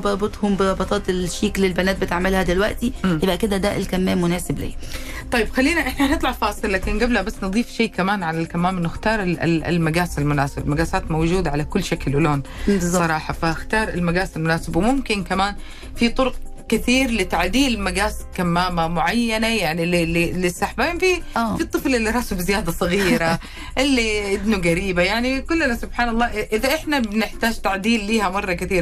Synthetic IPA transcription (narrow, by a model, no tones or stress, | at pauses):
bɑɾˤbɨt̪ˤhʊmbɪɾˤɑbɑt̪ˤɑːt̪ɪlʃiːklɪlbanaːt̪̚bɪt̪ɪʕmɪlhad̪ɪlwa̰ʔt̪iʔɪbʔakɪd̪ad̪aːʔɪlkamːeːmːʊnaːsɪblḭː | t̪ˤɑjɪbxalːiːnaʔɪħnanɨt̪ˤlɑʕfɑːsˤɨlːaːkɪnɡablabasːnɨd̪ˤiːfʃeːkamaːnʕalalkamːaːmʔɪnːʊxt̪ɑːɾˤɪɪ̰ɪ̰lmaɡaːsalmʊnaːsɪbalmaɡaːsaːt̪mowd͡ʒuːd̪aʕalakʊlːʃaklʔʊloːn | bzˤːsˤɑɾˤɑːħɑfaxt̪ɑːɾˤɪlmaɡaːsalmʊnaːsɪbwmʊmkɪnkamaːn | fit̪ˤʊɾʊq̚ | kɪθiːɾlɪt̪aʕd̪iːlmaɡaːskamːaːmamʊʕajːanajaʕnilililɪsːaħbaiːnfifit̪ˤːɨflɪlːiɾˤɑːsubɪzɪjaːd̪asˤɨɣiːɾa | ʔɪlːiʔɪd̪nuɡaɾiːbajaʕnikʊlːanasʊbħaːnɑlˤːɑːʔɪʔɪðaʔɪħnabɪnɪħt̪aːd͡ʒt̪aʕd̪iːlːiːhamɑrˤːɑkɪθiːɾ